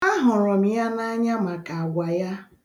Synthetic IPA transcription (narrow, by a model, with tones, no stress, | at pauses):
a˦ɦʊ˨ɾɔ˨m̩˨ja˦na˦ɲa˦ma˨ka˨a˨ɡʷa˨ja˦